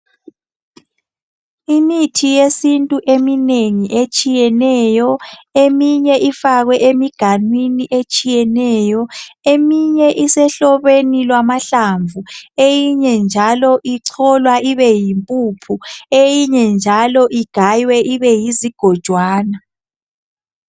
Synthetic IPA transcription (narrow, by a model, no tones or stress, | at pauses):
imitʰijesintʼuʔemineŋiʔet͡ʃʼijɛnɛjɔemiɲɛʔifaɣwɛʔemiɡ̥ʱanwiniʔet͡ʃʼijɛnɛːjɔemiɲɛʔisɛɬɔβenilwamaɬaɱvuejiɲɛnd͡ʒʱalɔʔiǀʰɔlwaʔiβɛjimpʼupʰuejiɲɛnd͡ʒʱalɔʔiɡ̥ʱajwɛʔiβɛjiziɡ̥ʱɔd̥ʒ̥ʱwaːna